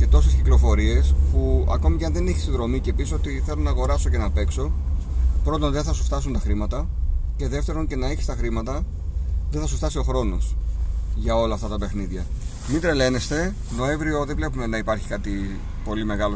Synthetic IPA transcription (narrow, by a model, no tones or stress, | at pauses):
ce̞t̪o̞se̞sciklo̞fo̞ɾie̞spuɐ̰ko̞micɐnðeneçisinðɾo̞mice̞piso̞t̪iθe̞lonɐːɣo̞ɾɐso̞ce̞nɐpe̞kso̞ | pɾo̞t̪o̞nðe̞nθɐsu̥ft̪ɐs̬unt̪ɐxɾimɐt̪ɐce̞ðe̞ft̪e̞ɾo̞nce̞nɐeçi̥st̪ɐxɾimɐt̪ɐ | ðeθɐsuft̪ɐsio̞xɾo̞no̞sʝɐo̞lɐːft̪ɐt̪ɐpe̞xniðʝɐ | mit̪ɾe̞le̞ne̞st̪e̞ | no̞e̞ɱvɾio̞ðe̞vle̞pume̞nɐipɐɾçi̥kɐt̪i | po̞lime̞ɣɐlo